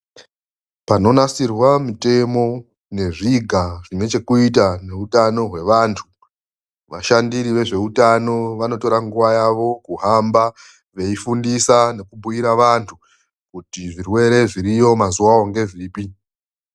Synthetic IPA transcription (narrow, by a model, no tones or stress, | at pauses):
pano̞nasirwamite̞mo̞ | ne̞ʐiɡʱaʐinwe̞t͡ʃe̞kuit̬ane̞utano̞ɦwe̞ʋantʰu | ʋaʃandiɾiʋe̞ʐe̞utano̞ʋano̞to̞ɾaŋɡuʋajaʋo̞kuɦamba | ʋe̞ifundisane̞kubʱujiɾaʋantʰu | kutiʐirwe̞ɾe̞ʐiɾijo̞mazuwaoŋɡe̞ʐiːpi